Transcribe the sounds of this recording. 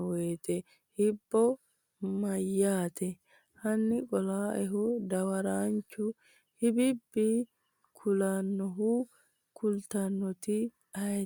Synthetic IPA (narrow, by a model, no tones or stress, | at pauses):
weːt̪ɛ | hɪbːɔ | mɐjːaːt̪ʰɛ | hɐnːɪkʼɔlaːʔɛɦʊd̪ɐwɐɾaːnt͡ʃːʊ | hɪbɪbːi | kʰʊlanːɔɦʊ | kʰʊlt̪ɐnːɔt̪ɪ | ɐ